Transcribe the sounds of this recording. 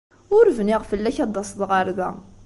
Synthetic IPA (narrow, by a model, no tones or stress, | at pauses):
ʊɾvniʁfəlːæçɑd̪ˤːɑsˤðʁəɾðæ̰